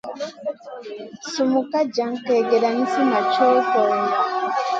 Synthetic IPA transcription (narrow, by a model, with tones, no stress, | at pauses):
su˨mu˨ka˦ɟa˨˦ŋ̩˨ke˨ɡe˨ɾa˨ni˦si˦ma˨t͡ʃoː˦to˨